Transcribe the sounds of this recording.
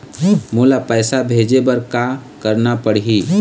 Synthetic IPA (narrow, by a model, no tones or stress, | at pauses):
moːlapɛːsabʱeːd͡ʒebəɾkakəɾnapəɽ̤ɦi